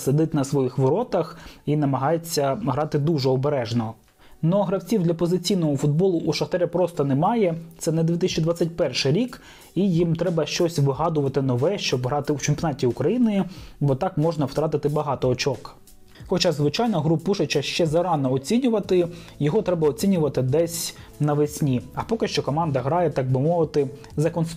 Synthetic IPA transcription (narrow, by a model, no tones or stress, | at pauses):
sed̪ɪt̪nɐsʋɔjixʋɔɾɔt̪ɐxinɐmɐɦɑjet͡sʲːɐɦɾɑt̪ɪd̪uʒɛɔbeɾɛʒnɔ | nɔɦɾɐwt͡sʲiwd̪lʲɐpɔzɪt͡sʲijnɔɦɔfʊd̪̚bɔlˠʊʔuʃɐxt̪ɛɾʲɛpɾɔst̪ɐnɛmɑjɛt̪sɛnɐd̪ʋʲit̪ɪsʲɐt͡ʃid̪ʋɑat͡sʲːɐt̚ʲpɛrʃɪɾʲik | ijimt̪ɾɛbɐʃt͡ʃɔsʲʋɪɦɑd̪ʊʋɐt̪ɪnɔʋɛʃt͡ʃɔbɦɾɑt̪ɪwt͡ʃɪmpʲɔnɑtʲiukɾɐjinɪbɔt̪ɑkmɔʒnɐwt̪ɾɑt̪ɪt̪ɪbɐɦɑt̪ɔɔt͡ʃɔk | xɔt͡ʃɑzʋɪt͡ʃɑjnɐɦɾupːuʃɐt͡ʃɐʃt͡ʃɛzɐɾɑnɔːt͡sʲinʲʊʋɐt̪ɪ | jɔɦɔt̪ɾɛbɐɔt͡sʲinʲʊʋɐt̪ɪd̪ɛsʲnɐʋɪsʲnʲiɐpɔkɪʃt͡ʃɔkɔmɑnd̪ɐɦɾɑjɛt̪ɑɡ̚bɪmɔʋɪt̪ɪ | zɐkɔns